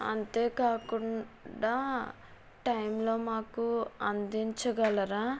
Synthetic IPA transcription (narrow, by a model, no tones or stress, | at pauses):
ɐ̰nt̪e̞ːkaːkuɳɖaː | ʈɐjmlo̞ːmaːkuɐnd̪iɲt͡ʃɐɡɐlɐɾaː